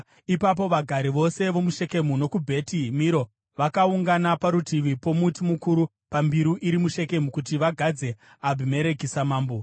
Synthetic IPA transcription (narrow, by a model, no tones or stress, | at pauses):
ipap̬o̞ʋaɡʱaɾiʋo̞se̞ʋo̞muʃe̞ke̞muno̞kubʱe̞timiɾo̞ | ʋakauŋɡanapaɾutiʋipo̞mutimukuɾu | pambiɾuʔiɾimuʃe̞ke̞mukutiʋaɡʱad͡ze̞ | abʱume̞ɾe̞kisamaːmbo